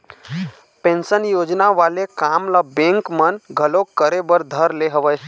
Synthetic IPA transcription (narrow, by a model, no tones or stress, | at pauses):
pẽnsənjod͡ʒnaʋalekamlabẽŋkmənɡʱəlokəɾebəɾd̪ʱəɾleɦəʋəj